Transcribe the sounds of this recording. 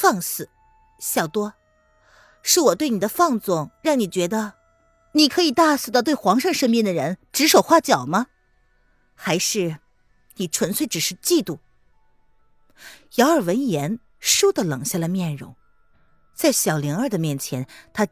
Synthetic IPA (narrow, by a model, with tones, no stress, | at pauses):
fɑ˥˩ŋsɹ̩˨˩˦ | ɕjɑ˨˩ʊt̪wɔ˥ | ʂɻ̩˥˩wɔ˨˩t̪we˥˩ɪni˨˩d̪ə˦fɑ˥˧ŋt͡sʊ˥˩ŋɻɑ˥˩ŋni˨˩t͡ɕɥɛ˧˥d̪ə˧ | ni˨˩kʰɤ˧˥i˨˩t̪a˥˩sɹ̩˨˩ɑ˥˧t̪we˥˩ɪxwɑ˧˥ŋʂɤ˥˧ŋʂə˥ŋpɛ˥˩nd̪ə˩ɻə˧˥nʈ͡ʂɻ̩˧˥ʂo˨˩ʊxwa˥˩t͡ɕjɑ˨˩ʊmɐ˦ | xa˧˥ɪʂɻ̩˥˩ | ni˨˩ʈ͡ʂʰwə˧˥nt͡sʰwe˥˩ɪʈ͡ʂɻ̩˨˩ʂɻ̩˥˧t͡ɕi˥˧t̪u˥˩ | jɑ˧˥ʊə˞˨˩wə˧˥njɛ˧˥n | ʂu˥d̪ə˨lɤ˨˩ŋɕja˥˩lə˩mjɛ˥˩nɻʊ̰˧˥ŋ | t͡sa˥˩ɪɕjɑ˨˩ʊli˧˥ŋə˞˥˧˩d̪ə˩mjɛ˥˩nt͡ɕʰjɛ˧˥nt̪ʰa˥